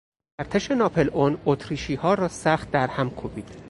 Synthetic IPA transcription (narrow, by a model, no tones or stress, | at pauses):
æɾt̪ʰeʃe̞nɒːpʰelʔonot̪ʰɾiːʃiːhɒːɾɒːsæχt̪̚d̪æɾhæmkʰobiːd̪̥